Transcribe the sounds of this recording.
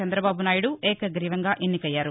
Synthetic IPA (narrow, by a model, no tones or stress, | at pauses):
ɐnd̪ɾɐbaːbunaːjuɽuʔeːkɐɡɾiːʋɐŋɡaːʔenːikɐjːaːɾu